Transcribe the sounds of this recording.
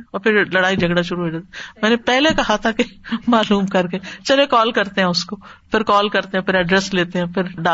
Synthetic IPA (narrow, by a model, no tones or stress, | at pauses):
ɔːɾpʰɪɾlɐɽaːid͡ʒʱɐɡɽaʃʊɾuɦeːd͡ʒeːt̪mɛːnepɛɦlekɐɦat̪ʰakemaːluːmkɐɾket͡ʃɐlekɔːlkɐɾt̪eɦɛ̃ʊskopʰɪɾkɔːlkɐɾt̪eɦɛ̃pʰɪɾɐɖɾɛːsleːt̪eɦɛ̃pʰɪɾɖa